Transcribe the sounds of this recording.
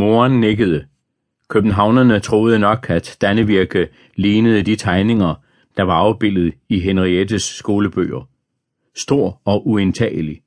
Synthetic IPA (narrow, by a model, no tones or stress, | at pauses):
mo̝ːɐnːeɡ̥əð̞̩ˠə | kʰøb̥n̩ɦɑ̈ʊnɐnət͡sʰʁo̝ːð̞ˠənɒ̽ɡ̥æd̥d̥ænəʋiɐɡ̥ə | liːnəð̞̩ˠəd̥it͡sʰɑ̈ɪne̝ŋɐ | d̥ɑ̈ʋɑ̈ɑ̈ʊb̥e̝l̰ð̩ˠiɦenʁied̥əsːɡ̥o̝ːləb̥ø̰ːɐ | sd̥o̝ɐ̰ɒ̽ʔuent͡sʰɛ̰ːəli